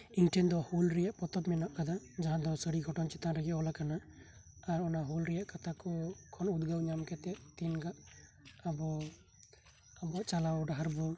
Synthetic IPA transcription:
iŋʈɛnd̪ɔhulɾɛjaʔpɔt̪ɔbmɛnaʔkad̪ad͡ʒaɦãd̪ɔsəɽiɡʱɔʈɔnt͡ʃɛt̪aɾɛɡɛʔɔlakana | aɾɔnaɦulɾɛjaʔkat̪ʰakɔkʰɔnud̪ɡawɲamkɛt̪ɛʔt̪inɡaʔabɔ | abɔʔt͡ʃalawɖaɦaɾbɔ

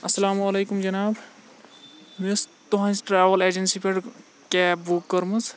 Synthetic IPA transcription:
ɐsɐlaːmɐlekumd͡ʒɐnaːb | mest̪oɦãnsʈɾaːʋəleːd͡ʒensipʰeɖ | kepbukːəɾməs

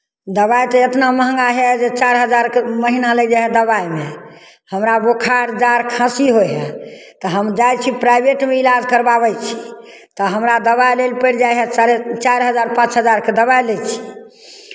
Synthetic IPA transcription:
d̪əβajt̪ɔet̪naməɦə̃ŋɡaɦɛd͡ʒet͡ʃaɾɦəd͡ʒaɾkeməɦinaləjd͡ʒeɦɛd̪əβajme | həmɾabokʰaɾd͡ʒaɾkʰãsiɦoɦɛ | t̪ɔɦəmd͡ʒajt͡ʃʰipɾajbeʈmeilad͡ʒkəɾbaβɛjt͡ʃʰi | t̪əɦəmɾad̪əβajlelpəɽd͡ʒajɦɛet͡ʃaɾɦəd͡ʒaɾpãt͡ʃɦəd͡ʒaɾked̪əβajlet͡ʃʰi̥

